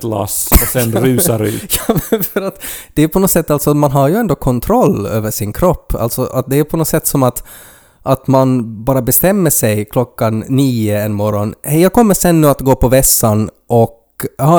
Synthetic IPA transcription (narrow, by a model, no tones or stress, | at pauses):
la̰sɔsɛnɾʉ̟ːsaɾʉ̟̰ːjɑːfœɾat̪d̪̥ɛæpʰɔnɔt̪sɛt̪ːalsɔat̪manɦaɾjɵɛnd̪oːkʰɔnt̪ʰɾɔlːø̰ːvəʂɪnkʰɾɔpːa̰lt̪sɔʔat̪̚d̪ɛæpʰɔnɔt̪sɛt̪ːsɔmat̪ | ʔat̪manbɑːɾabɛst̪ɛmːəʂɛjkʰlɔkːanːiːəɛnmɔɾːɔnhɛjɑːkʰɔmːəʂɛnːʉːat̪ɡoːpʰɔvɛsːan | ʔɔk | ɑ